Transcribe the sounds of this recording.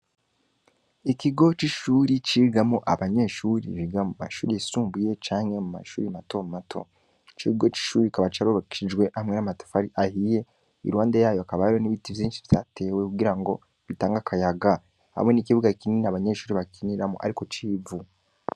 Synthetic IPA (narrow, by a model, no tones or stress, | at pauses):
ikiɡo̞t͡ʃiʃuːɾit͡ʃiːɡamoʔaβaɲe̞ʃuːɾḭβiɡamuma̰ʃuːɾisuːmbuje̞t͡ʃaːŋe̞muma̰ʃṵːɾimato̞mumatʰo̞̰ | t͡ʃiiɡo̞t͡ʃi̥ʃuːɾikaβat͡ʃaɾoβakiʃid͡ʒɡwe̞ʔamŋe̞namato̥faɾiʔahije̞ | ḭɾwaːndejaːjoakaβaiɾoniβitivjiːnʃi̥βi̥taːtʰe̞we̞kuɡiɾaŋɡo̞ | βitaːŋɡakʰajaɡa | ha̰mwe̞nikiβuɡakininaβaɲe̞ʃuːɾiβakiniɾamo̰ʔa̰ɾiko̞t͡ʃiːvu